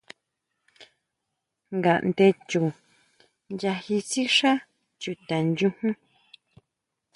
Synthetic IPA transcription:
ŋɡa˨ʔnd̪e˧t͡ʃu˨ | nja˧hi˧t͡si˦ʂa˦ | t͡ʃu˨t̪a˨nd͡ʒũ˧hũ˦

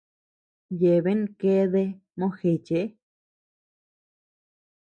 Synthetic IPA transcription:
je˨βe˦n˦˧ke˦ðe˧ | mõ˦xe˨t͡ʃe˧˦

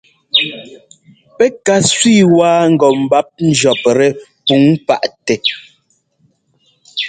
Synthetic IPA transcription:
pɛ˦ka˨sɥiː˦˨waː˦ŋ̩˦˨ɡɔ˨m̩˨ba˦p̚n̩˦d͡ʒɔ˨p̚ɾɛ˨pu˨˦ŋpa̰˦˨ʔtɛ˨

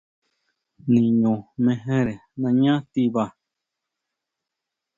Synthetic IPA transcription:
nĩ˨ɲõ˨mẽ˧ɦẽ˦ɾe˨nã˧ɲã˦t̪i˧βa˧˨

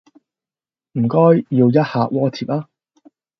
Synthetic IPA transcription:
m̩˨˩kɔː˥jːiː˧wjɐ˥t̚haː˧ʔ̚wɔː˥t̪ʰiː˨˩p̚aː˥

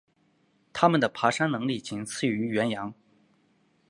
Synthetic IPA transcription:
t̪ʰa˥mə˨nd̪ə˩pʰa˧˥ʂa˥nnɤ˧˥ŋli˥˩t͡ɕʰi˧˥ŋt͡sʰɹ̩˥˩y˧˥ɥɛ˧˥njɑ˧˥ŋ

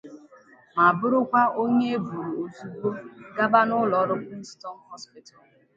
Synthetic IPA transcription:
ma˨bʊ˦ɾʊ˦kʷa˦o˦ɲe˦e˦bu˨ɾu˨o˨zu˨ɡ͡bo˦ɡa˦ba˦nʊ˦lɔ˨˦ɾʊ˦kʊ˦n̩˦stɔ˦n˦hɔ˦spi˦ta˨l

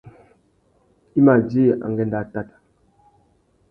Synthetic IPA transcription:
i˦ma˨d͡ʒi˦˨ʔa̰˨ŋ˨ɡɛ˦nda˨ta˨t

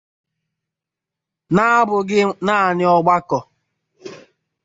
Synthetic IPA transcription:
na˦bʊ˨ɡɪ˦na˦˨nɪ˦ɔ˦ɡ͡ba˦kɔ˨

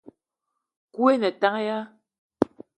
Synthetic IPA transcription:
kwe˦nɛ˨ta˦ŋ˦ja˦

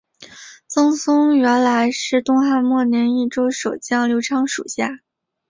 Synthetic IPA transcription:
t͡sɤ˥ŋsʊ˥ŋɥɛ˧˥nla˧˥ɪʂɻ̩˥˧t̪ʊ˥˧ŋxa˥˧nmwɔ˥˩njɛ˧˥ni˥˩ʈ͡ʂo˥ʊʂo˨˩ʊt͡ɕjɑ˥˩ŋljo˧˥ʊʈ͡ʂʰɑ˥ŋʂṵ˨˩ɕja˥˩

